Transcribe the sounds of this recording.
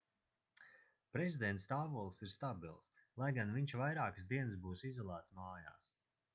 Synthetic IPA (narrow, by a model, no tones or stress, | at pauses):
pɾɛzʲid̪ɛnt̪st̪aːvuɔlˠsiɾst̪abilˠslˠajɡanviɲʲʃvajɾaːkɨsd̪iɛnsbuːsizɔlˠaːt̪smaːja̰ːs